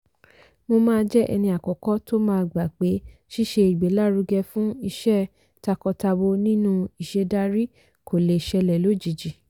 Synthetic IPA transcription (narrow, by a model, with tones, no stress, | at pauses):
mo˧mãː˦˧d͡ʒɛ˦ʔɛ̰˧nĩ˧a˨kɔ˨kɔ˦to˦mãː˦˧ɡ͡ba˨k͡pe˨˦ʃi˦ʃe˧i˨ɡ͡be˨˦la˦˨ɾu˧ɡɛ˧fũ˦i˧ʃɛ˦˨ | ta˧kɔ˧ta˧bo˧nĩ˦nũ˦i˨ʃe˧da˧ɾi˦ | kʰo˨le˨ʃɛ˧lɛ˨lo˨˦˨d͡ʒi˨d͡ʒi˨